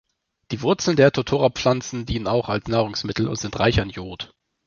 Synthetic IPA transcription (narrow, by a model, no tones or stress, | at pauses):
d̥iːvʊɐt͡sl̩ndeːɐtʰotʰoːʁap͡fflant͡sn̩diːnənaʊxalsnaːʁ̞ʊŋsmɪtʰl̩ʊ̰ntz̥ɪntʁaɪçanjoːt